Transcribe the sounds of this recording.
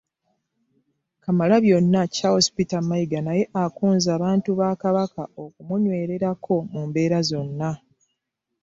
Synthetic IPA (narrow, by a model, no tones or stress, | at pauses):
kamalaβjo̞nːacaho̞si̥pitamajiɡanaje̞ʔakuːnzaːβaːntuβaːkaβakao̞kumuɲwe̞ːɾe̞ɾakʰo̞muːmbe̞ːɾazo̞nːa